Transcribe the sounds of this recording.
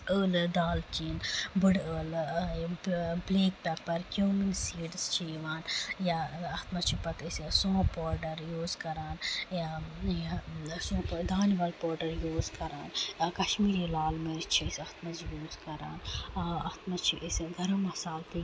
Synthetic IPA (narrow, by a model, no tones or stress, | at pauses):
əːld̪aːlt͡ʃinbəɽəːl | bleːk̚pɛpɐɾkʲjoːminsiːɖst͡ʃʰiʋaːnjaɐt̪mɐt͡ʃʰipɐt̪əsisõːpoːɾɖɐɾjuːzkɐɾaːnjajasõːpd̪aːniʋɐlpoːɾɖɐɾjuːzkɐɾaːnjaːkɐʃmiːɾilaːlmeɾt͡ʃʰisɐht̪mɐzjuːzkɐɾa̰ːnɐt̪mɐt͡ʃʰiʔesɡʱɐɾɐmːɐsaːlt̪i